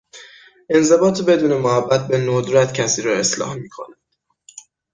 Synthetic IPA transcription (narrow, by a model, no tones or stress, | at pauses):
ʔe̞nze̞bɒːt̪ʰbe̞d̪uːne̞mohæbːæt̪̚ʰbe̞nod̪ɾæt̪ʰcʰæsiːɾɒe̞slɒ̰ːhmiːkʰo̰næd̪̥